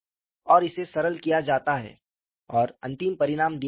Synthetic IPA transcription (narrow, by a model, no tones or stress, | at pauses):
ɔːɾɪsesɐɾəlkijad͡ʒaːt̪aɦɛ̰ː | ɔːɾɐ̃nt̪ɪmpɐɾɪɾaːmd̪i